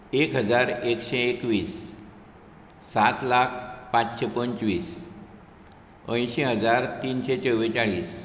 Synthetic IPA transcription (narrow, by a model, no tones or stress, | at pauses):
ekɦəd͡zaɾekɕeːkʋiːs | at̪lak̚ʰpãt͡sɕepənt͡sʋiːs | ə̰̃j̃ɕeɦəd͡zaɾt̪iːnɕet͡səʋet͡saɭiːs